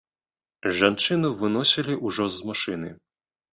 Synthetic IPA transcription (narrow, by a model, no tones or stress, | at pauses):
ʐant͡ʂɨnuvɨnɔsʲilʲiʔuʐɔzmaʂɨnɨ